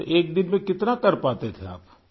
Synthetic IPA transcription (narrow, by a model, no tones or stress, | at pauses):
ʔeːk̚d̪ɪnmẽkɪt̪nakɐɾpaːt̪et̪ʰea̰ːp